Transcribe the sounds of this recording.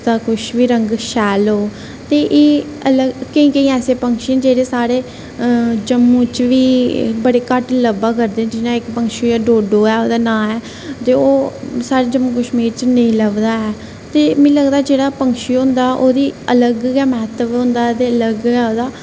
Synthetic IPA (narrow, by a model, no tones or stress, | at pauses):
t̪aːkʊʃʋiːɾəŋɡʃɛːlɦoː | t̪eːʔeː | ələɡkəĩːkəĩːɛːseːpəŋkʃĩnd͡ʒeːɽeːsaːɽeː | d͡ʒəmːũːt͡ʃʋiːbəɽeːkəʈləbaːkəɾd̪ẽːd͡ʒɪnãːɪkpəŋkʃiːjaːɖoːɖoːɛːoːd̪aːnãːɛː | t̪eːoːsaːɾeːd͡ʒəmːũːkəʃmiːɾt͡ʃnəĩːləʋd̪aːɛː | t̪eːmɛ̃ːləɡd̪aːd͡ʒeːɽaːpəŋkʃiːɦʊ̃nd̪aːʔoːd̪iːələɡɛːmɛːt̪əbɦʊ̃nd̪aːt̪eːələɡɛːoːd̪aː